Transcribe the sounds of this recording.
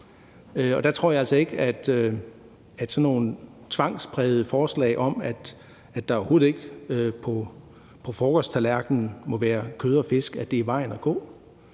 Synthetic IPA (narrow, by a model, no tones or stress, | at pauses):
øɒ̽d̥æt͡sʰʁo̝ɐ̰jɑ̈ælsɒ̽e̝ɡ̥æd̥ø | æd̥sɒnːo̝ːn | t͡sʰʋɑ̈ŋ̰sb̥ʁɛð̞̩ˠəfɒːslɛ̰ɪʔɒ̽mæd̥ | æd̥ɑ̈ɒho̝ːð̩ˠe̝ɡ̥øpʰɒ | pʰɒ̽fɒːɡ̥ɒst͡sʰælæɐɡ̥n̩mɒ̽ʋæːɐkʰøːðˠɐɒfe̝sɡ̥æd̥e̝iʋɑ̈ɪ̰næɡ̥ɔ̰̽ː